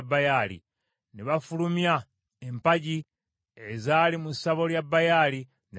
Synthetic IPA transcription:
bːajalḭ | niβafulumja | empaɟi | ezaːlimusaβo̞ljabːajali | ne

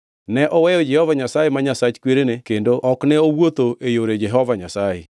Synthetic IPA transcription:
nɛʔɔwɛjɔd͡ʒɛhɔvaɲasajemaɲasat͡ʃkweɾenekendoʔɔkneowot̪oʔejoɾed͡ʒɛɦɔvaɲasajḛ

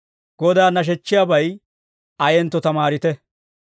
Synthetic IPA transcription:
ɡ̥ɔd̪aːnɐʃ̬ɛt͡ʃːɪjaːbɐj | ɐjɛnt̪ːɔt̪ɐmaːɾɪt̪ɛ

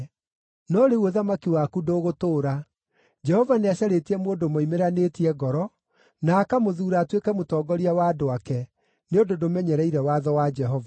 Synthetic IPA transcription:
nɔɾeuoðamakiwakudoːɣotoːɾa | d͡ʒɛhɔvaneaɕaɾetiɛmoːndomoimeɾanetiɛɣɔɾɔ | naːkamoðuːɾaːtwekɛmotɔːɡɔɾiawadoakɛ | neondodomɛɲɛɾɛiɾɛwaðɔwad͡ʒɛɦɔva

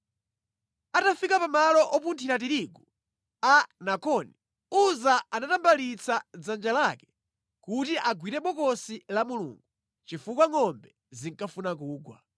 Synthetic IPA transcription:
atafikapamalɔʔɔpuntʰiɾat̬iɾiɡu | anakɔni | uzaanatambalit͡sʰad͡zand͡ʒalakɛ̥ | kutiʔaɡwiɾɛɓɔkɔsilamulṵːŋɡu | t͡ʃifukwaŋɔmbɛ | ziŋkafunak̬uːɡwa̰

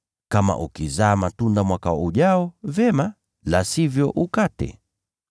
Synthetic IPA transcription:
kama̰ʔukizaːmatundamwakauʄaɔvɛma | lasivjɔʔukatɛ̰

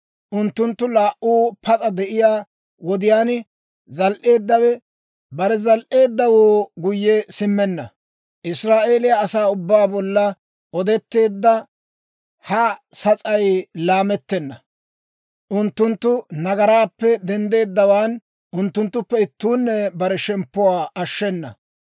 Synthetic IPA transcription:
ʔʊnt̪ːʊnt̪ːʊlaːʔuːpʰɐt͡sʼɐd̪ɛʔɪjaː | wɔd̪ɪjaːn | zɐlʔe̞ːd̪ːɐwɛ | bɐɾɛzɐlʔe̞ːd̪ːɐwoːɡʊjːɛsɪmːɛnːɐ | ʔɪsɾaːʔe̞ːlɪjaːsaːʊbːaːbɔlːɐ | ʔɔd̪ɛt̪ːe̞ːd̪ːɐ | hɐsɐt͡sʼɐjlaːmɛt̪ːɛnːɐ | ʔʊnt̪ːʊnt̪ːʊnɐɡɐɾaːpːɛd̪ɛnd̪e̞ːd̪ːɐwaːn | ʔʊnt̪ːʊnt̪ːʊpːɛɪt̪ːuːnːɛbɐɾɛʃɛmpːʊwaːʔɐʃːɛnːɐ̰

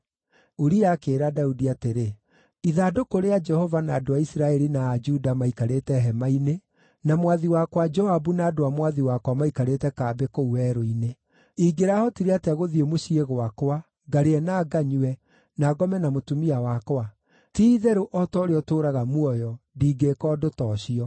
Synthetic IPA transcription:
oɾiakeːɾadaudiateɾe | iðaːdokoɾead͡ʒɛhɔvanaːdoaisiɾaɛɾinaːd͡ʒudamaikaɾetɛɦɛmaine | namwaðiwakwad͡ʒɔabunaːdoamwaðiwakwamaikaɾetɛkabekouɛɾoine | iːɡeɾahɔtiɾeateaɣoðiemoɕieɣowakwa | ɡaɾeɛnaːɡaɲuɛ | naːɡɔmɛnamotumiawakwa | tiːðɛɾoʔɔtɔɾeɔtoːɾaɣamuɔjɔdiːɡekɔːdotɔɕiɔ

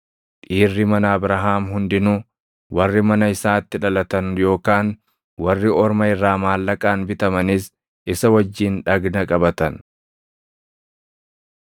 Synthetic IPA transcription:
kʼiːrːɪmɐnaːbɾɐɦaːmɦʊnd̪ɪnʊ | wɐrːɪmɐnɐɪsaːt̪ːɪᶑɐlɐt̪ɐnjo̞ːkaːn | wɐrːɪɔɾmɐɪrːaːmaːlːɐkʼaːnbɪt̪ɐmɐnis | ʔɪsɐwɐd͡ʒːiːnᶑɐɡnɐkʼɐbɐt̪ɐn

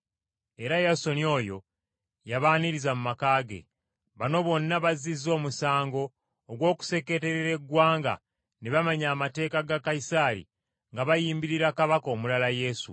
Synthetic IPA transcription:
e̞ɾajaso̞nio̞ːjo̞ | jaβaːniɾizamumakaːɡe̞̰ | βano̞βo̞nːaβazizːo̞ːmusaːŋɡo̞ː | ɡwo̞ːku̥se̞ke̞te̞ɾeɾe̞ɡwaːŋɡa̰ | neβamaɲaːmate̞ːkaɡakajisaːɾḭ | ŋɡaβajiːmbiɾiɾakaβako̞ːmulalaje̞ːsṵ

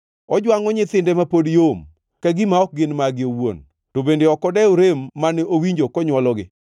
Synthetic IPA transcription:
ɔd͡ʒwaŋɔɲɪt̪ɪndɛmapodjom | kaɡɪmaɔk̚ɡɪnmaɡɪowo̰n | tobendeɔkɔdɛoɾemːanɛowiɲd͡ʒokɔɲwɔlɔɡɪ

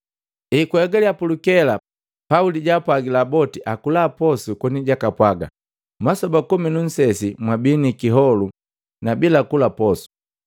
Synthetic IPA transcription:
ikwɛɡaliapulukɛla | pauliɟaːpwaɡilabɔtiʔakulapɔsukɔniɟakapwaɡa̰ | masɔbakuminun̩sɛsimwabinikiɦɔlu | nabilakulapɔsu̥

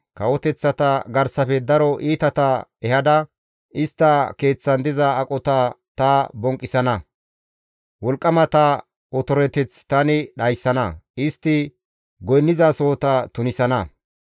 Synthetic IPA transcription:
kɐwɔt̪ɛt͡sːɐt̪ɐɡɐɾsɐfɛd̪ɐɾɔʔiːt̪ɐt̪ɐɛhɐd̪ɐ | ɪst̪ːɐke̞ːt͡sːɐnd̪ɪzɐːkʼɔt̪ɐ | t̪ɐbɔŋkʼːɪsɐnɐ | wɔlkʼːɐmɐt̪ɐ | ɔt̪ɔɾɛt̪ɛt͡st̪ɐnɪɗɐjsːɐnɐɪst̪ːɪ | ɡɔjnːɪzasoːt̪ɐt̪ʊnɪsɐnɐ

